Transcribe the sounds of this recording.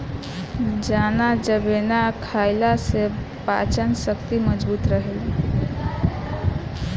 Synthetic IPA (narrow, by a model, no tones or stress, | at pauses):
d͡ʒanad͡ʒəbenakʰaɪlase | pa̰t͡ʃənsəkt̪iməd͡ʒbuːt̪ɾəɦel